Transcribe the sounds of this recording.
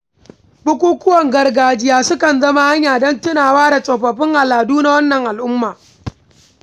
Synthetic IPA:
bʊ˦kʷuː˦kʊ˦wɔ˨ŋɡɐ˨rɡaː˨d͡ʒɪ˦jaː˦sʊ˦kɐ˨nzɐ˦ma˦ha˦ɲjaː˨dɔ˦ntɪ˦naː˨waː˦da˨sʼɔ˨ɸɐ˨ɸɪ˦ŋʔa˨laː˨duː˦na˦wɐ˦nːɐ˨ŋʔa˨lʔʊ˦mːaː˨

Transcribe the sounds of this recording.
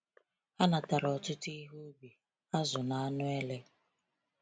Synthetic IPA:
a˦na˨ta˨ɾɔ˨tʊ˦tʊ˦i˦ɦu˦bi˨ | a˦zʊ˨na˨a˦nʊ˦e˦le˦

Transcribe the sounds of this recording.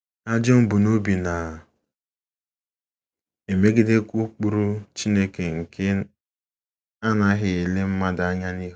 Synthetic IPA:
a˦d͡ʒo˦m̩˦bu˨no˦bi˨na˨ | e˨me˦ɡɪ˦de˦ku˦k͡pu˨ɾu˦t͡ʃi˦ne˦ke˨ŋ̩˨kʰe˦ | a˦na˦ɦɪ˨e˨le˦m̩˦ma˦da˨a˦ɲa˦ni˦ɦ

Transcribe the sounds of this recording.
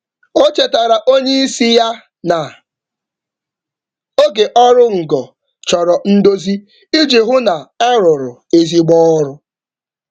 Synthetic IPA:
o˦t͡ʃe˨ta˨ɾa˨ʔo˦ɲe˦i˦si˦ja˦ | na˨ | o˦ɡe˨ʔɔ˦ɾʊ˦ŋ̩˨ɡɔ˨ | t͡ʃɔ˨ɾɔ˨n̩˦do˦zi˦ | i˦d͡ʒi˨ɦʊ˦na˨ɛ˦ɾʊ˨ɾʊ˨e˨zi˦ɡ͡bɔː˦ɾʊ˦

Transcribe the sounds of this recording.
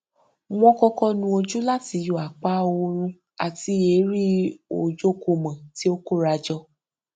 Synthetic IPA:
w̃ɔ̃˧kɔ˧kɔ˧nũ˧o˧d͡ʒu˦la˦ti˨˧jo˨a˨k͡pa˦o˧ɾ̃ũ˧ | a̰˨ti˧˦e˨˦ɾi˦o˨d͡ʒo˦ko˧˨mã˨ti˨˦o˦ko˦˨ɾa˧d͡ʒɔ˧

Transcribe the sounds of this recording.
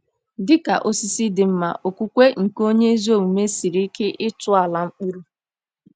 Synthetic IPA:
dɪ˦ka̰˨ʔo˦si˦si˦dɪ˨m̩˦ma̰˨ʔo˨kʷu˦kʷe˦ŋ̩˨ko˦ɲe˦zo˦˨u˨me˦si˨ɾi˦ke˦ʔɪ˦tʊ˦a˨la˨ŋ͡m̩˦k͡pu˦ɾu˦

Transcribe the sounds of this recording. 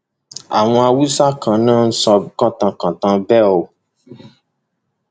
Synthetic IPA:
a̰˨w̃ɔ̃˧a˧wu˦sa˦kʰã˨nãː˦˨n̩˦sɔ˧˦kã˦˨tã˧kã˨tã˧bɛ˦˨o˨

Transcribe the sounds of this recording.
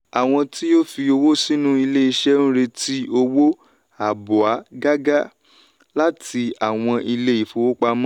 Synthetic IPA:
a˨w̃ɔ̃˧ti˦jo˦fi˧o˧wo˦si˦nũ˦i˧le˦i˧ʃɛ˦ñ̩˦ɾe˧ti˦o˧wo˦ | a˨bɔ˨a˨˦ɡa˦ɡa˦ | la˦ti˧a˨w̃ɔ̃˧i˧le˦i˨fo˨˧wo˦k͡pa˧mã˦

